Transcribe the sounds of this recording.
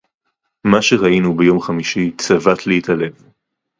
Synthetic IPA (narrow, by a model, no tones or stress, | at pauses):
maʃeʁainubejo̞mχamiʃit͡savat̪leitale̞v